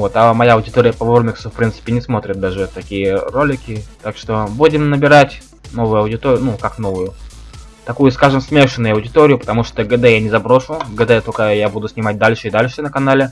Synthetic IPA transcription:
o̞t̪amɐjaɐʊdʲɪt̪oɾʲɪjəpɐvormʲɪksʊfpɾʲint̪sɨ̥pʲɪnʲɪsmo̞t̪ɾʲɪt̪̚d̪aʐɨt̪ːɐkʲijəɾo̞lʲɪkʲɪt̪akʂt̪o̞budʲɪmnəbʲɪɾatʲ | no̞vʊjʊɐʊdʲɪt̪oɾɪjʊnukakno̞vʊjʊ | t̪ɐkujʊskaʐɨmsmʲe̞ʂɨnːʊjʊɐʊdʲɪt̪oɾʲɪjʊpət̪ɐmuʂt̪oɡəd̪ɛjanʲɪzɐbɾo̞ʂʊɡəd̪ɛt̪okəjabud̪ʊsʲnʲɪmat̚ʲd̪alʲʂɨid̪alʲʂɨnəkɐnalʲɪ

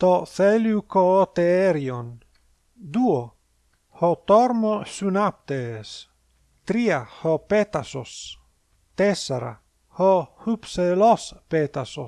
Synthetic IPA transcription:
t̪ofeljukot̪eeɾion | d̪uo | hot̪oɾmosunap̚t̪es | t̪ɾiahopet̪asos | t̪esaɾa̰ | hohupselɔspet̪aso

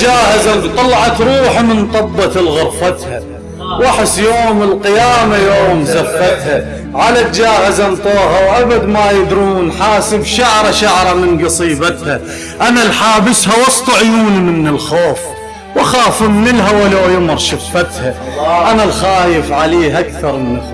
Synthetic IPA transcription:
d͡ʒaːhazat̪ˤɑlʕɑt̪ɾˤuːħmɪnt̪ˤɑbːɑt̪ɪlɣʊɾˤfat̪ha | wʔaħɪsːjoːmɪlqɪjaːmajoːmzafːat̪ha | ʕalat̪d͡ʒaːhazant̪ˤoːɦawʔabad̪majɪd̪ɾuːnħaːsɪbʃaʕɾˤaʃaʕɾˤɑmɪnɡɑsˤiːbat̪ha | ʔanalħaːbɪshawɑsˤt̪ˤɑʕjuːnimɪnːɪlxoːf | waxaːfɪmnɪlɦawalaːjʊmɾˤʃafːat̪ha | ʔanalxaːjɪfʕaleːhʔakθɑɾˤmɪnx

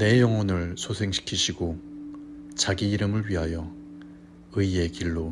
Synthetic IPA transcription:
ne̞jʌŋwʌnɯɭsʰosʰe̞ŋɕʰi̥kʰiɕʰiɡo | t͡ɕaɡiːɾɯmɯɭɥiɦajʌ | ɯie̞kiɭːo

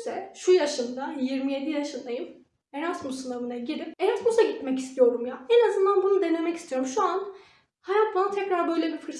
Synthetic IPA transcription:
sɛʃujaʃɯnd̪ajiɾmije̞d̪ijaʃɯnd̪ajɯm | eɾasmusɯnavɯnaɟiɾipeɾasmusaɟit̪mɛcist̪ʰijo̞ɾumjaːɛnazɯnd̪anbunud̪e̞ne̞mɛci̥st̪ijo̞ɾumʃuan | hajat̪banat̪ʰɛcɾaɾbø̞jlʲɛbifɯɾ

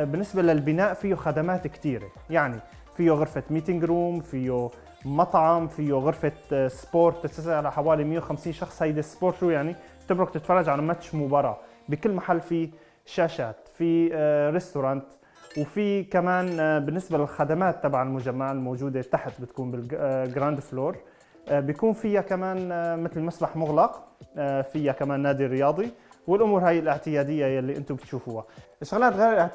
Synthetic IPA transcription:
bɪnːɪsbalɪlbɪnaːʔfijːoxad̪amaːt̪kt̪iːɾḛ | jaʕni | fijːoɣʊɾfamiːt̪ɪŋɡɾuːmfijo | mɑt̪ˤʕɑmfijoɣʊɾfasboːɾt̪ːɪt̪sasʕalaħawaːlimɪjːewxamsiːnʃɑxsˤhajd̪espoːɾt̪ʃuːjaʕni | t̪ɪbɾʊk̚t̪ɪt̪fɑrˤːɑd͡ʒʕalamat̪ːʃmʊbɑɾˤɑ̰ː | bɪkɪlːmaħalːfi | ʃaːʃaːt̪fiɾɪst̪ʊɾˤɑːnt̪ | wfikamaːnbɪnːɪsbalɪlxad̪amaːt̪ːɑbʕalmʊd͡ʒamːaʕɪlmoːd͡ʒuːd̪et̪ːaħt̪̚bɪt̪kuːnbɪlɡɾand̪floːɾˤ | bjakuːnfɪjːakamaːnmɪt̪lmasbaħmʊɣlɑq | fɪjːakamaːnːaːd̪irɾɪjɑːd̪ˤiwɪlʔʊmuːɾhaːjːɪlʔɪʕt̪ɪjaːd̪ɪjːajalːiʔɪnt̪ubɪt̪ʃuːfʊhaʔɪʃːʊɣlaːt̪ɣejɾʔɪʕ

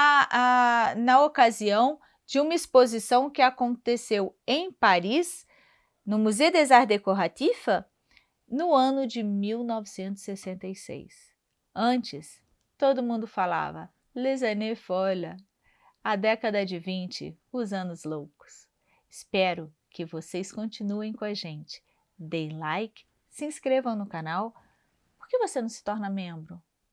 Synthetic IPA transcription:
aanɐokaziɐ̃w̃ | d͡ʒɪũmɐispozisɐ̃w̃kɪakõnt̪esewẽj̃paɾis | nʊmuzewd̪ezaɾd̪ekoɾat̪ifɐ | nʊɐ̃nʊd͡ʒɪmiwnɔvɪsẽnt̪ʊ̥z̥ssesẽnt̪ejsḛjs | ɐ̃t͡ʃɪs | t̪od̪ʊmũnd̪ʊfala̰vɐ | lezɐnefɔlɐ | ad̪ɛkɐd̪ɐd͡ʒɪvĩnt͡ʃɪ̰ | ʊzɐ̃nʊzlowkʊ̥s | ɪspɛɾʊ | kɪvosejskõnt͡ʃinuẽj̃kõɐʒẽnt͡ʃɪ̥ | d̪ẽj̃lajkɪ̥ | sɪĩskɾevɐ̃w̃nʊkanaw | poɾkevosenɐ̃w̃sɪ̥t̪ɔɾnɐmẽbɾʊ

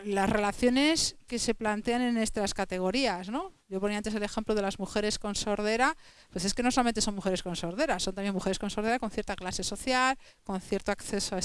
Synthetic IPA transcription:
lazrelaθjo̞ne̞ske̞se̞plant̪e̞ane̞ne̞st̪ɾaskat̪e̞ɣ̞o̞ɾiasno̞ʝo̞poniaant̪eele̞xe̞mploð̞e̞lazmuxe̞ɾe̞sko̞nso̞ɾðe̞ɾa | pwe̞se̞ske̞noolamẽnt̪eso̞nmuxe̞ɾe̞sko̞nsoɾðe̞ɾasont̪amje̞muxe̞ɾe̞sko̞nsoɾðeɾako̞nθjeɾt̪aklase̞so̞θjal | ko̞nθje̞ɾt̪oakθe̞soae

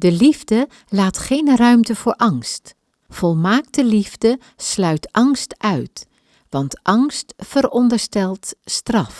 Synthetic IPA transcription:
dəlivdə | laːtχejnrœɥmtəv̥ʊːɹʔɑŋst | v̥ɔlˠmaːktəlivdə | slœɥtɑŋstʔœɥt | ʋɑntʔɑŋstfəɾɔndəɹstɛlˠtstrɑf

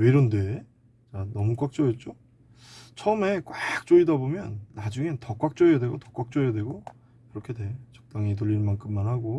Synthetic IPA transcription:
iɾonde̞ | t͡ɕanʌmuk͈wak̚t͡ɕ͈ʌjet̚t͡ɕ͈o | t͡ɕʰʌme̞kwak̚t͡ɕ͈oidabomjʌnːad͡ʑuŋe̞tʌk͈wak̚t͡ɕ͈ʌʌdwe̞ɡotʌk͈wak̚t͡ɕ͈ʌjedwe̞ɡo | kɯɾʌkʰede̞ot͡ɕʌk̚t͈aŋit̬oʎːinnmankʰɯmːanhaɡo

